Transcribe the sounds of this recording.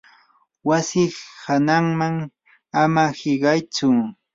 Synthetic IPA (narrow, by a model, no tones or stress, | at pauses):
wasɪhanaŋmaŋ | amahɪɢɑjt͡sʊ